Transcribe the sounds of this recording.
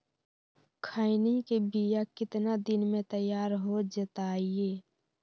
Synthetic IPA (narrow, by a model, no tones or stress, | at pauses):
kʰaːɪnikebijakɪt̪nad̪ɪnmẽt̪əjːaːɾɦod͡ʒət̪aːieː